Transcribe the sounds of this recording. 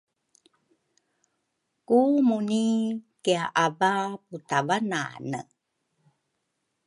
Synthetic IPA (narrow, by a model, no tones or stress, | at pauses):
kumunikeaʔavaputavana̰nə̰